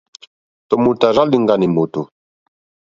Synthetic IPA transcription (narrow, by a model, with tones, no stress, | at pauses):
tɔ˨mu˨ta˨ɾa˦li˦ŋ̩˦ɡa˦ni˨mo˨to˨